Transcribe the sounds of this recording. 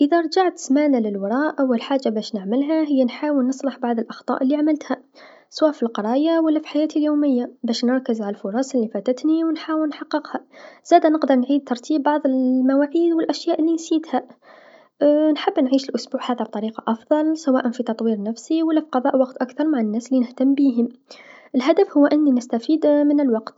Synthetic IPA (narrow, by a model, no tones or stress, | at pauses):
ʔɪðaɾˤd͡ʒaʕt̪smaːnalɪlwɑɾˤɑːʔʔwɪlħaːd͡ʒːabæːʃnɪʕmɪlɦaɦɪjːanħaːwɪlnɨsˤlɑħbɑʕðˤɪlʔɑxt̪ˤɑ̰ːʔɪlːiʕamɪlt̪ha | swaːfilqɑɾˤɑːjawalːafi̥ħajaːt̪ʰiljoːmɪjːabæːʃnɨɾˤkɪzʕallfʊɾˤɑsɪlːifaːt̪at̪niwɪnħaːwɪlnħɑqːɪqhaz̥aːd̪anɪqd̪ɑɾˤnʕiːd̪̚t̪ːɑɾˤt̪ʰiːb̚ːɑʕðˤɪlmawaːʕiːd̪wɪlʔæʃjaːʔɪlːinsiːd̪ha | nħɪbːnʕiːʃɪlʔʊsbuːʕhaːðab̚t̪ˤɑɾiːqɑʔɑfðˤɑlsawaːʔanfit̪ɑt̪ˤwiːɾnæfsiwalːafiqɑðˤɑːʔwɑqt̪ʔakθɑɾˤmaʕanːæːslːinɪht̪amːbiːɦɪmʔɪlɦad̪afhʊwːʔɪnːinɪst̪afiːd̪mɪnɪlwɑqt̪